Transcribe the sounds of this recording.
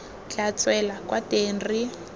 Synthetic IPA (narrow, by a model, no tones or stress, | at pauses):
t͡ɬat͡sʼwɛlakwateːnri